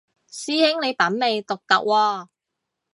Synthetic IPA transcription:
siː˥hɪ˥ŋne˨˧jpɐ˨˥nme˨˧jt̪ʊ˨k̚t̪ɐ̰˨k̚wɔː˧

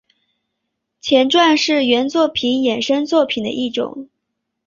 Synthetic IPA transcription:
t͡ɕʰjɛ˧˥nʈ͡ʂwa˥˧nʂɻ̩˥˩ɥɛ˧˥nt͡swɔ˥˩pʰi˧˥njɛ˨˩nʂə˥nt͡swɔ˥˩pʰi˨˩d̪ə̰˦ʔi˥˩ʈ͡ʂʊ̰˨˩˦ŋ

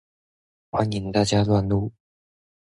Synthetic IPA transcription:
xwa˥ni˨˩˦ŋt̪a˥˩t͡ɕja˥lwa˥˧nlu˥˩

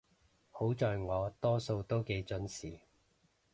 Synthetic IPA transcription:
ho˨˥wt͡sɔː˨˧jŋɔː˨˧t̪ɔː˥so˧wt̪o˥wke˨˥jt͡sɵ˨˧nsiː˨˩

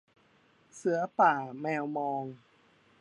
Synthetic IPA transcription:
sɯ˨˩˦ɐpaː˨˩mɛː˧wmɔː˧ŋ

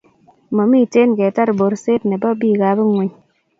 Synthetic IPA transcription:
mɔ˨mi˦˨te˦nkɛ˨ta˦ɾbo˨ɾse˦tnɛ˨ba˦biː˦˨ɡa˨bɪ˦ŋwɛ˨ɲ

